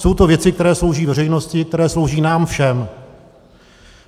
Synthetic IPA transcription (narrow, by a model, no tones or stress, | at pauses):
so̞wt̪o̞vjɛt͡sɪk̚t̪ɛɾɛːslo̞wʒiːvɛrɛjno̞scɪk̚t̪ɛɾɛːslo̞wʒiːnaːmfʃɛm